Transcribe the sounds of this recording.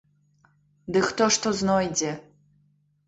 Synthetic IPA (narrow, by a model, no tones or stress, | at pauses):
d̪ɨxt̪ɔʂt̪ɔznɔjd͡zʲɛ